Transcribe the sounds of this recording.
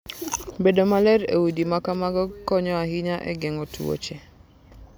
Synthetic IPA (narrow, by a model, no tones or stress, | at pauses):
bedomalɛɾḛwudimakamaɡɔkːɔɲɔahiɲaʔɛ̰ɡɛŋotṵwo̰t͡ʃe